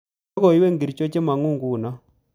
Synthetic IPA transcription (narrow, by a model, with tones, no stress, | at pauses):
ko˨i˦we˦˨ŋɡi˨ɾi˨t͡ʃo˦t͡ʃe˦ma˨ŋu˦˨ŋɡu˦˨na˦